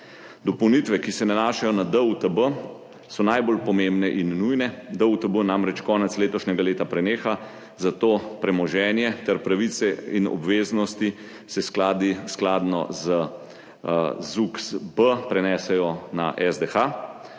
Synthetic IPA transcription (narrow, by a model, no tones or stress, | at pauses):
d̪ɔpɔwnit̪ʋɛkisɛnanaːʃajɔnad̪əut̪əbə | sɔnajbolpɔmẽmbnɛʔinːujnɛd̪əut̪əbənamɾɛt͡ʃkɔːnɛt̪sleːt̪ɔʃɲɛɡaleːt̪apɾɛneːxa | zat̪oːpɾɛmɔʒɛːnjɛt̪ɛɾpɾaʋit̪sɛinɔ̰bʋeːznɔst̪i | sɛsklaːd̪isklaːd̪nɔ̰zə | zuksbəpɾɛnɛːsɛjɔna̰ʔɛzd̪əxa